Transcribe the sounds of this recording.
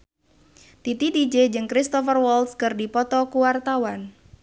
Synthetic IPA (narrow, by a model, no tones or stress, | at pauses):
t̪it̪idid͡ʒed͡ʒɨŋkɾist̪ɔfərwɔlskɨrdipɔt̪ɔkuwart̪awan